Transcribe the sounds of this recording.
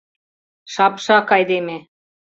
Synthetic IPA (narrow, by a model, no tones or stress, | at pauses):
ʃɑpʃɑkɑjd̪eme